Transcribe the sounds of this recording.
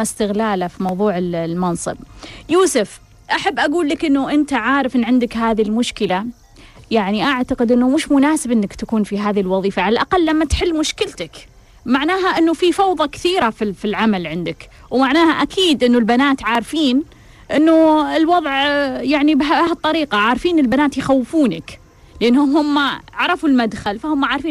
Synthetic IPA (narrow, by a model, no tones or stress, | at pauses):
st̪ɪɣlaːlafimɑwðˤuːʕɪllmɑnsˤɨ̰b̚juːsʊf | ʔaħabːʔaɡuːlːɪkʔɪnːuʔɪnt̪aʕaːɾɪfʔɪnʕɪnd̪ɪkɦaːðilmʊʃkɪla | jaʕniʔaʕt̪aqɪd̪ʔɪnːumʊʃmʊnaːsɪbʔɪnːɪkt̪akuːnfiɦaːðilwɑðˤiːfaʕalalʔaqalːamːat̪ħɪlːmʊʃkɪlt̪ak | maʕnaːɦaʔɪnːufifɑwðˤɑkθiːɾafifilʕamalʕɪnd̪ɪk | wmaʕnaːhaʔakʰiːd̪ʔɪnːʊlbanaːt̪ʕaːɾfiːn | ʔɪnːuɪlwɑðˤʕjaʕnibɦɑt̪ˤːɑɾiːqɑʕaːɾfiːnɪlbanaːt̪jxawːɪfuːna̰k | lʔɪnːhʊɦʊmːaʕɑɾˤɑfulmad̪xalfahʊmːaʕaːɾˤfiːn